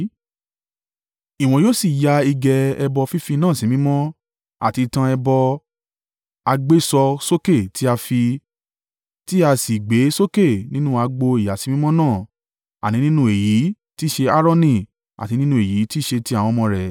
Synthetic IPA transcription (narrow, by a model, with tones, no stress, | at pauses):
i˨w̃ɔ̃˨joː˦si˨ja˧i˧ɡɛ˧ɛ˧bɔ˧fi˦fi˧nãː˦˨sĩ˨mĩ˦mɔ̃˦ | a̰˨ti˧tã˧ɛ˧bɔ˧ | a˧ɡ͡be˦sɔ˧so˦ke˦˨ti˦a˧fi˧ | ti˦a˧si˨ɡ͡be˨˦so˦ke˦˨nĩ˦nũ˦a˧ɡ͡bo˧i˨ja˨sĩ˨˧˦mĩ˦mɔ̃˦nãː˦˨ | a˨nĩ˨˦nĩ˦nũ˦e˨ji˨˦ | ti˦ʃe˧a˦ɾɔ˦nĩ˦˨ | a̰˨ti˧˦nĩ˦nũ˧˦e˨ji˨˦ti˦˨ʃe˧ti˦a˨w̃ɔ̃˧˦mɔ̃˧ɾɛ˨